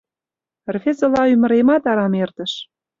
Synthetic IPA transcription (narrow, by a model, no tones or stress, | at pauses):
rfezə̆lɑymə̆ɾemɑt̪ɑɾɑmert̪ə̆ʃ